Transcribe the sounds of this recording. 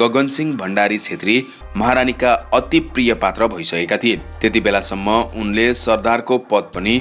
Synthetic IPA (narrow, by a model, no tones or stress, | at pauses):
ɡʌɡʌnsiŋbʱʌɳɖaɾit͡sʰet̪ri | mʌɦaɾanikaʌt̪iprijʌpat̪rʌbʱʌisʌkekat̪ʰijet̪et̪ibelasʌmːʌunlesʌrd̪arkopʌd̪̚pʌni